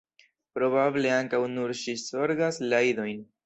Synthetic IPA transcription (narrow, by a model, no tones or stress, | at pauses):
pɾo̞bable̞aŋkawnuɾʃiso̞ɾɡaslajdo̞jn